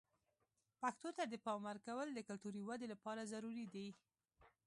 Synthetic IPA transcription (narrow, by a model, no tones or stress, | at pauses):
pakt̪ot̪ad̪əpɑwmaɾkawəld̪əkʊlt̪uɾiwad̪elapɑɾazaɾuɾid̪i